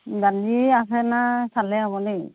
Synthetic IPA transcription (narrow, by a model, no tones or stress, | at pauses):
ɡaniasɛnasalɛaβɔnɛ